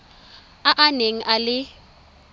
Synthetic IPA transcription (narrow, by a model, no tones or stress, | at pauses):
aʔaneŋ̩ʔalɪ